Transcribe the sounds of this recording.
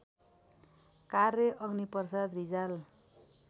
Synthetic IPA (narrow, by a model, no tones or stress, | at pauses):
karjʌʔʌɡnipʌrsad̪rid͡zal